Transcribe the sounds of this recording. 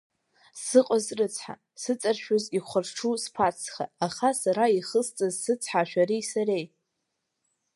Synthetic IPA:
sɨqʼazrɨt͡sʰħa̰ | sɨt͡sʼarʃᶣoziχʷarʈ͡ʂʰuspʰat͡sʰχa̰ːχasaɾaiχəst͡sʼazsɨt͡sʰħaʃᶣaɾijsaɾe̞j

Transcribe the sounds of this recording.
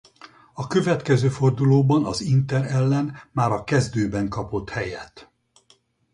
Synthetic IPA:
ɒkø̞vɛt̪kɛzøːfo̞rd̪uloːbɒnɒzint̪ɛɾɛlːɛnmaːɾɒkɛzd̪øːbɛŋkɒpo̞t̪hɛjɛt̪

